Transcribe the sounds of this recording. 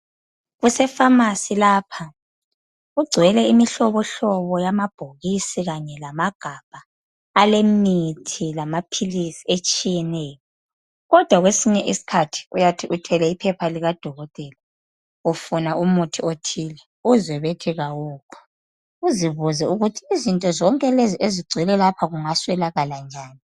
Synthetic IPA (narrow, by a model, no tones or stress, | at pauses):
ɣusɛfamasilaːpʰa | uɡ͡ǀʱwɛlɛimiɬɔβɔɬɔβɔjamab̥ʱoɣisiɣaɲɛlamaɡ̥ʱab̥ʱaː | lemitʰilamapʰilisiet͡ʃʼijɛnɛːjɔ | ɣɔd̥ʱwaɣwesiɲɛʔisi̥kʰatʰi̥ujatʰiʔutʰɛlɛipʰɛpʰaliɣad̥ʱɔɣɔtʼɛla | ufunaumutʰiotʰiːlɛ | uzwɛβetʰiɣawuːkʰɔ̥ | uziβuzɛuɣutʰiːzintʼɔzɔŋkʼɛlezieziɡ͡ǀʱwɛlɛlapʰaɣuŋaswɛlaɣaland͡ʒʱaːni